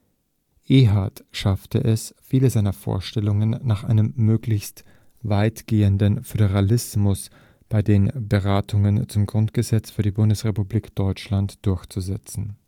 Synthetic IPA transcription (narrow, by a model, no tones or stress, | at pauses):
ʔeːɦatʃaftəʔɛsfiːləzaɪnɐfo̰ːɐʃtɛlʊŋənːaːχʔa̰ɪnəmːøːklɪçst | vaɪtɡ̥eːəndənfødəʁalɪsmʊs | b̥aɪdeːnbəʁaːtʰʊŋənt͡sʊmɡʁʊntɡ̥əzɛt͡sfyːɐdiːbʊndəsʁ̥epubliːkd̥ɔʏt͡ʃlantd̥ʊɐçt͡suzɛt͡sn̩